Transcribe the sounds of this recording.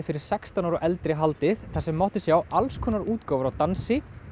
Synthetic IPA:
fɪɾɪɾ̥sɛkst̪anaɾɔʔɛlt̪ɾɪɦalt̪ɪðθasɛmːɔht̪ɪsjawalskʰɔːnaɾuːt̪kawvʏɾawt̪ansɪ

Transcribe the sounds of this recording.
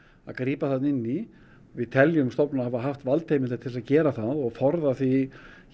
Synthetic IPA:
aðkɾiːpaθat̪nɪnːi | vɪðt̪ʰɛljʏmst̪ɔwpnʏnahavaɦaft̪valt̪ʰeːjmɪnat̪ʰɪls̬aðcɛːɾaθaðɔɣfɔɾðaθi

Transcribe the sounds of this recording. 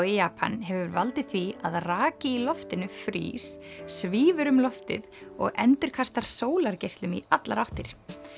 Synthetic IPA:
wɪjaːpʰa̰nɦɛvʏɾvalt̪ɪðθviaðraːcɪilɔft̪ɪnʏfɾḭːssviːvʏɾʏmlɔft̪ɪ̰ðɔ̰ɣɛnt̪ʏɾ̥kʰast̪aɾ̥soːwlaɾcejst̪lʏmḭat̪laɾawht̪ɪɾ̥

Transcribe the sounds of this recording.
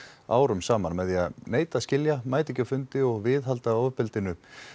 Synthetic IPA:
a̰ːwɾʏmsaːmanmɛðianeːjt̪ascɪljamaːjt̪ɛcːɪfʏnt̪ɪɔɣvɪðɦalt̪aoːpɪlt̪ɪnʏ

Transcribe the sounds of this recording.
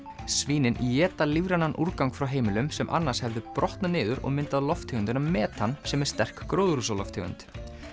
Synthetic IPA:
sviːnɪnʔijɛːt̪alivɾanːanʔuɾkawŋkfɾawɦeːjmɪlʏmsɛmʔa̰nːḁshɛvðɪpɾɔht̪nanɪːðʏɾɔ̰ɣmɪnt̪aðlɔft̪ʰʏɣʏnt̪ʏnamɛːt̪ansɛmɛɾ̥st̪ɛr̥kkɾoːwðʏɾusalɔ̰ft̪ʰʏ̰ɣʏ̰nt̪

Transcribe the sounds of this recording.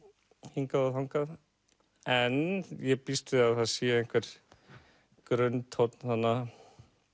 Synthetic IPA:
hiŋkaaθawŋkað | ɛnjɛpist̪ɪaðθaðsiːaɛŋ̥kʰvɛɾ̥ | kɾœnt̪hɔt̪nθanːa

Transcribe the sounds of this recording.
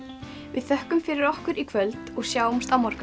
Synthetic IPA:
vɪðθœhkʏmfɪɾɪɾɔhkʏɾikʰvœlt̪ɔɣsjaːwɔmst̪amɔɾ̥kʏ

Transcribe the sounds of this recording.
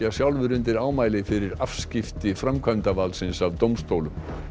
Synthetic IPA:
asjawlvʏɾʏnt̪ɪɾaːwmaːjlɪfɪɾɪɾafscɪft̪ɪfɾamkʰvœnt̪avalsɪnsavt̪owmst̪oːwlʏm

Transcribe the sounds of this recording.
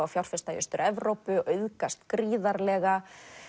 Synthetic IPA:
awfjawr̥fɪst̪ajʏ̰st̪ʏɾɛvɾowpʏʔœɥðkast̪kɾiːðaɾlɛɣa

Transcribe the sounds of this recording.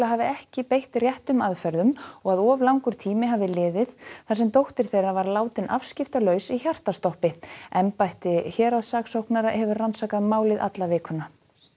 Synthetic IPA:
laɦaːvɪɛhcɪpejht̪rjɛht̪ʏmaðfɛɾðʏmɔɣaðɔːvlawŋkʏɾ̥t̪ʰiːmɪɦaːvɪlɪːðɪðθas̬ɛmt̪owht̪ɪɾ̥θejravaɾlaːwt̪ɪnʔa̰fscɪft̪alœːɥsiçjar̥t̪ast̪ɔhpɪɛmpajht̪ɪçɛːɾaðsaːksowhknaɾahɛvʏɾransaːkaðmaːwlɪðʔa̰t̪lavɪːkʰʏna

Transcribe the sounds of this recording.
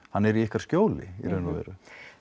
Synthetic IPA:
hanːɛɾiɪhkaɾ̥scjoːwlɪ̰ḭɾœnmavɛ̰ːɾʏ

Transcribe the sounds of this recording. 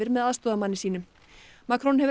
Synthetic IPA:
ɪɾmɛðaðst̪ɔːðamanːɪsiːnʏm | maːkɾɔnhɛvʏ

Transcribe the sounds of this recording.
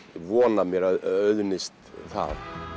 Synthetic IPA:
vɔːnamjɛɾœœɥðnɪst̪θa̰ð

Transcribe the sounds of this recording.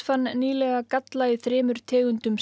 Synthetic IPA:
fanːniːlɛɣakat̪laiθɾɪːmʏɾ̥t̪ʰɛːɣʏnt̪ʏms

